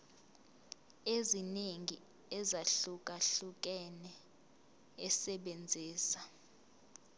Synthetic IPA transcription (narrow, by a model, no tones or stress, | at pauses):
ezineŋi | ɛzaɬuk̬ʼaɬuk̬ʼɛnɛ | ɛsɛɓend͡zʱiːsḁ